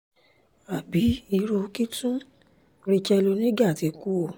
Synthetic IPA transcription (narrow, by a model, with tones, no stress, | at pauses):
a˨bi˨˦i˧ɾo˧ki˦tũ˦ | ɾi˧t͡ʃɛ˧lu˧nĩ˦ɡa˦˨ti˧ku˦o˦˨